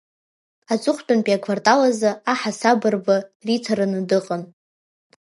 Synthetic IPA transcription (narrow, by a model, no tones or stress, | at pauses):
at͡sʼʊχʷtʼanpʼiakʷʰvartʼalazaaħasabɨrbaritʰaɾɨnɨdɨqʼən